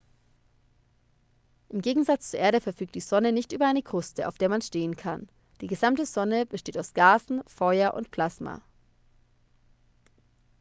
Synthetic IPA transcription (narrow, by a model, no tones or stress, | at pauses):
ʔɪmɡeːɡŋ̩zat͡st͡suɐʔeːɐɾəfɛɐfyːk̚td̥iːzɔnənɪçtʔyːbɐaɪnəɡʁ̥ʊstəa̰ʊfd̥eːɐmanʃteːənkʰan | d̥iːɡəzamtəzɔnəb̥əʃteːtaʊsɡ̥aːzn̩fɔʏɐʔʊ̰ntpʰl̥asma̰